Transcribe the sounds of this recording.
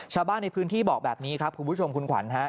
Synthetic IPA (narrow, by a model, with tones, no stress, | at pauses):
t͡ɕʰaː˧wbaː˥˩nːa˧jpʰɯː˦˥nt̪ʰiː˥˩bɔː˨˩k̚bɛː˨˩p̚niː˦˥kʰɾa˦˥p̚kʰu˧mpʰu˦˥t͡ɕʰo˧mkʰu˧nkʰwa̰˩˦nɦa˦˥ʔ